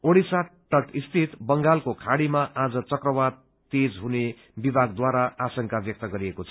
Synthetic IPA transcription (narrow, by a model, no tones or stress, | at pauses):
oɽisaʈːʌʈist̪ʰit̪bʌŋɡalkokʰaɽimaʔad͡zʌt͡sʌkrʌbad | t̪ed͡zɦune | bibʱaɡd̪waɾaasʌŋkabjʌk̚t̪ʌɡʌɾiekot͡sʰʌ